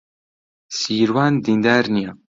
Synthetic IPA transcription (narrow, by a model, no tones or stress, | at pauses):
siːɾwaːnd̪ind̪aːɾnija